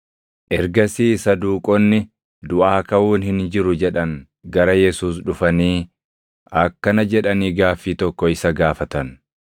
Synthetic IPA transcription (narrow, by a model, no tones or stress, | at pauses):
ʔɛɾɡɐsiːsɐd̪uːkʼɔnːɪ | d̪ʊʔaːkɐwuːnhɪnd͡ʒɪɾʊd͡ʒɛᶑɐŋ | ɡɐɾɐjɛsuːs̬ᶑʊfɐniː | ɐkːɐnɐd͡ʒɛᶑɐniːɡaːfiːt̪ɔkːɔɪsɐɡaːfɐt̪ɐn